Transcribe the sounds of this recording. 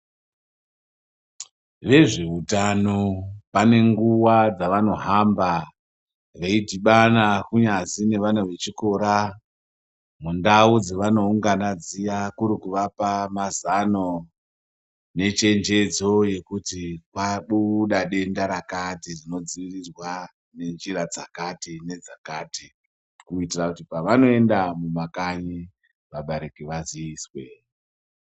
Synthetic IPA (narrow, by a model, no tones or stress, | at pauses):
ʋe̞ʐeutanopane̞ŋɡuwad͡zaʋano̞ɦamba | reidʱiɓanakuɲazine̞ʋanaʋe̞t͡ʃiko̞ɾa | mundaud͡zeʋano̞uŋɡanad͡zijakuɾikuʋapamazano̞ | ne̞t͡ʃe̞nd͡ʒe̞d͡zo̞je̞kutikwaɓuɗaɗe̞ndaɾakatirino̞d͡ziʋirirwa | ne̞nd͡ʒiɾad͡zakatine̞d͡zakati | kuitirakutipaʋano̞e̞ndamumakaɲi | ʋaɓaɾekiʋaziiːswe̞